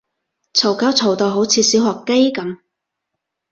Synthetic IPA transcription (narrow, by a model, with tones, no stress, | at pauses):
t͡sʰo˨˩wkaː˨˥wt͡sʰo˨˩wt̪o˨˧wɦo˨˥wt͡sʰiː˨˧siː˨˥whɔː˨˩kkːe˥jkɐ˨˧˥m